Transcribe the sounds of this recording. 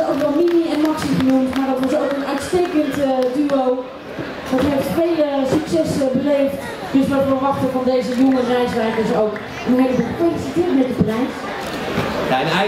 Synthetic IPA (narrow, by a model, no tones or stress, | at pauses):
owkʋɛlˠminiɛnmɔksiχənumtmaɹdɔtʋɔsowkənœɥtsteːkəntdyow | d̥ɔtyɛftʋejəsyksɛsbəleːft | døsʋɔtʋəɹʋɑχtəfɔndejzəjoŋərɛjsʋɛjkəsowk | ənnɦejləbuːlˠfelisitɪətmɛt̚dəbrɛjs